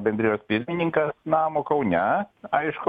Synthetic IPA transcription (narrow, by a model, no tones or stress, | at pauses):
bʲɛnʲd̪ɾʲɪːjoːspʲɪɾʲmʲɪnʲɪŋkɐsnɑːmoːkɐʊnʲɛɐɪʃkʊ